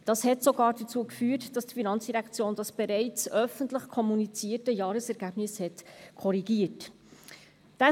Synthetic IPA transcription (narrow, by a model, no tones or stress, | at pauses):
d̥ɑshɛtsoɡɑːɾdət͡suːəkfyːtd̥ɑsd̥ifinɑnt͡sd̥iɾɛkt͡sjoːnd̥ɑsb̥ɛɾɛɪt͡sœfəntləχkʰɔmunit͡siːətəjɑːɾəsɛɾɡ̥æb̥nɪshɛtkʰɔɾiɡiːət | d̥æ